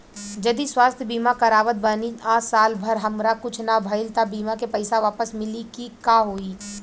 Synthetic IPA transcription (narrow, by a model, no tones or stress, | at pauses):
d͡ʒɐd̪iswaːst̪ʰjəbiːmakɐɾaːʋət̪̚bəniaːsaːlbʱɐɾɦɐmɾakʊt͡ʃʰnabʱɐɪlt̪abiːmakepɐɪsaʋaːpəsmɪlikikaːɦoːi